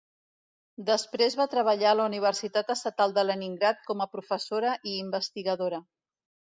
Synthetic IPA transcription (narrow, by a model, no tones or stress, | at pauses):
d̪əspɾezβat̪ɾəβ̞əʎaləuniβ̞əɾsit̪at̪əst̪ət̪alˠd̪ələniŋɡɾat̪̚kɔməpɾufəsoɾəʔiːmbəst̪iɣəðoɾə